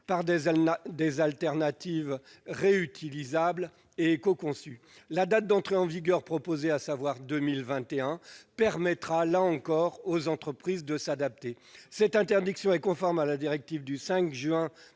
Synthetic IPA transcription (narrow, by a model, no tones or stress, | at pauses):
paʁd̪d̪ezalt̪ɛʁnat̪ivʁeyt̪ʰilizabl | eːkɔkɔ̃sy | lad̪at̪̚d̪ɑ̃t̪χeɑ̃viɡʲœʁpχɔpozeasavwaʁd̪ømilvɛ̃t̪eɛ̃pɛʁmɛt̪χalaɑ̃kɔʁozɑ̃t̪χəpχizd̪əsad̪ap̚t̪e | sɛt̪ɛ̃t̪ɛʁd̪iksjɔ̃ɛkɔ̃fɔʁmalad̪iʁɛk̚t̪ivd̪ysɛ̃kʒɥɛ̃